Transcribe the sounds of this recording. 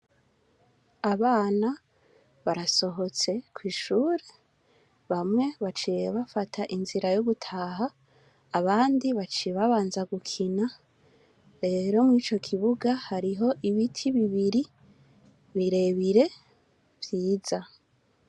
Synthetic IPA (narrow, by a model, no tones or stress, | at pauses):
aβaːna | βaɾaso̞ɦo̞t͡se̞kwiːʃuːɾe | βamŋe̞βat͡ʃijeβafatʰaʔinziɾajoβutʰaːɦaː | βaːndiβat͡ʃieβaβaːnzaɡukʰina | ɾe̞ːɾo̞mŋiːt͡ʃo̞kʰiβuɡahaɾiɦo̞ʔiβitʰiβiβiɾi | βiɾe̞βiɾe̞ | v̥jiːza